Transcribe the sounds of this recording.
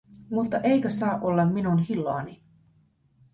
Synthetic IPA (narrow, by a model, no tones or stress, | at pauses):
mut̪ːɑʔe̞jkøsɑːʔo̞lːɑmːinunɦilːoɑni